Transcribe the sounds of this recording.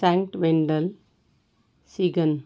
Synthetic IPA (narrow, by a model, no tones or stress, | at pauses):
saŋkʈʋeɳɖəl | siɡən